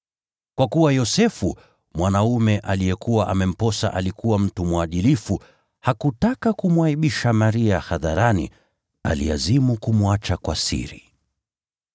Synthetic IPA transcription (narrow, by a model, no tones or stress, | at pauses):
kwakuwajɔsɛfu | mwanaumɛʔalijɛkuwaʔamɛm̩pɔsa̰ʔalikuwam̩tumwaɗilifu | hakutakakumwaiɓiʃamaɾiahaðaɾanḭ | a̰lḭazimukumwat͡ʃakwasḭɾḭ